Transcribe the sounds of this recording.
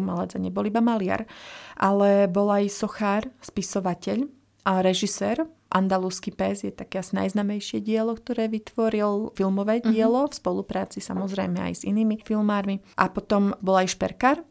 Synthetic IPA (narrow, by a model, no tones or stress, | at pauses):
malad͡zaɲɛbɔlibamalɪa̰ɾʔalɛbɔlajsɔxaːɾspisɔʋacɛʎ | ɾɛʒisɛːɾ | ʔa̰nd̪aluːskipɛzjɛt̪akɛasna̰jznaːmɛjʃɪɛɟɪɛlɔkt̪ɔɾɛːʋit̪ʋɔɾilˠfilˠmɔʋɛːɟɪɛlɔfspɔlupɾaːt͡sisa̰mɔzɾɛjmɛa̰jz̥ḭniːmifilˠmaːɾmiʔapɔt̪ɔmbɔlajʃpɛ̰ɾkaːɾ